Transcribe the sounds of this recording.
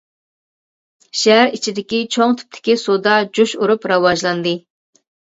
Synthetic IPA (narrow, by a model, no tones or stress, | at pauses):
ʃæɦæɾit͡ʃʰid̪ɪkʲit͡ʃʰoŋt̪ʰy̥p̚t̪ʰɪ̥kʲisod̪ɑd͡ʒuʃuɾupɾɑwɑʒlˠɑnd̪ɨ